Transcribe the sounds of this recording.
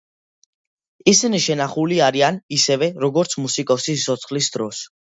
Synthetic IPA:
isiniʃɛnaχuliaɾianisɛvɛɾɔɡɔɾt̪sʰmusikʼɔsiɔt̪sʰχlisd̪ɾɔs

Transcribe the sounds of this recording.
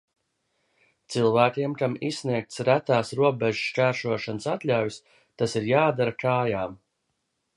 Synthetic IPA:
t̪silˠvæːkʲiɛmkamissniɛk̚t̪sɾæt̪aːsɾuɔbeʒu̥ʃt͡ʃæːɾʃuɔʃansat̪lʲavʲis | t̪asiɾjaːd̪aɾakaːjaːm

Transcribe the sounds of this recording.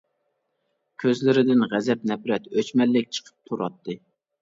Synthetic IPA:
kʲʰøzlɪɾɪd̪ɪnʁæzɛp̚nɛpɾɛt̪øt͡ʃmɛlːɪk̚ʲt͡ʃʰə̥qʰə̥p̚t̪ʰuɾɑ̰t̪ʰːɨ

